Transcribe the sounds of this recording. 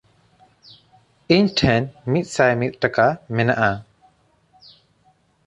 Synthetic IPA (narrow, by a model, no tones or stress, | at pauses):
iɲʈʰɛnmit̪̚ˀsajmit̪̚ˀʈakamɛnaʔa